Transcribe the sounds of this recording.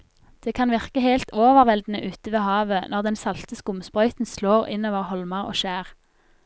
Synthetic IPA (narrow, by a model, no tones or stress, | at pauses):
d̪̥eːkʰɑnʋɪʁkəheɪlt̪oːʋəʁʋɛld̪n̩əʔʉːt̪əʋeːhɑːʋənʔɔʁd̪ɛnsɑlt̪əskʊmspʁœʏt̪n̩sloːʁɪ̰noːʋəʁhɔlməʁo̰ːʃæːʁ